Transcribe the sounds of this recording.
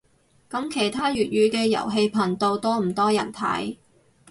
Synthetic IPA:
kɐ˨˥mkʰe˨˩jt̪ʰaː˥jyː˨t̚ɥyː˨˧kɛː˧jɐ̰˨˩wɦe˧jpʰɐ˨˩nt̪o˧wt̪ɔː˥m̩˨˩t̪ɔː˥jɐ̰˨˩nt̪ʰɐ̰˨˥j

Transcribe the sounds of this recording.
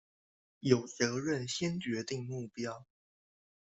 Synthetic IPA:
jo˨˩ʊt͡sɤ˧˥ɻə˥˨˩nɕjɛ˥nt͡ɕɥɛ˧˥t̪i˥˧ŋmu˥˩pjɑ˥ʊ

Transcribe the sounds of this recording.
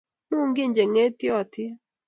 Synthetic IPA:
mu˦˨ŋɡɪ˦˨ɲd͡ʒe˨ŋe˦t̪jɔ˦˨t̪ʰɪ˦

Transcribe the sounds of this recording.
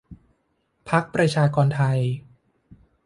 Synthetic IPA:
pʰa˦˥k̚pɾa˧t͡ɕʰaː˧kɔː˧nt̪ʰa˧j

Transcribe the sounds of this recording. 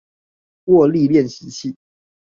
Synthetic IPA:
wɔ˥˧li˥˨ljɛ˥˨nɕ̩˨˦t͡ɕʰi˥˨˩

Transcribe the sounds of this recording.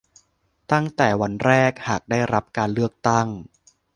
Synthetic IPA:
t̪a˥˩ŋt̪ɛː˨˩wa˧nɾɛː˥˩k̚haː˨˩k̚daː˥˩jɾa˦˥p̚kaː˧nlɯ˥˩ək̚t̪a˥˩ŋ

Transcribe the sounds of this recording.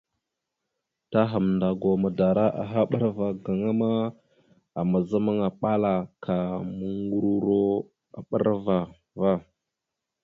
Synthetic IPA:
ta˦ɦa˨mnda˨ɡo˨mə˨da˨ɾa˦ʔa̰˨ɦa˦ɓə˦ɾva˨ɡa˨ŋa˦ma˦ | a˨mə˨zə˦mə˦ŋa˨ɓa˦la˨kʰa˨mə˨ŋɡu˦ɾu˦ɾo˦ | a̰˨ɓə˦ɾva˨ | va˦

